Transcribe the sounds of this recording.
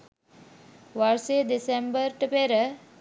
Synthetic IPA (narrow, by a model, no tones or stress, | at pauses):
ʋaɾseːd̪isembəɾʈəpeɾə